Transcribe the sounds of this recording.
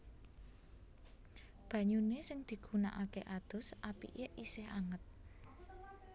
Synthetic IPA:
b̥ä̤ɲunesɪŋd̪̥i̤ɡ̥una̰ʔakeʔad̪̥ʊ̤sʔapḭʔeʔisehaŋət̪̚

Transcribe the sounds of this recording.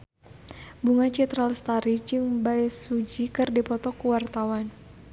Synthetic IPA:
buŋat͡ʃit̪ɾalst̪aɾit͡ʃɨŋbajsud͡ʒikɨrdipɔt̪ɔkuwart̪awan

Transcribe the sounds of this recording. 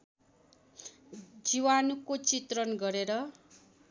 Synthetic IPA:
d͡ziwanukot͡sit̪rʌnɡʌɾeɾʌ

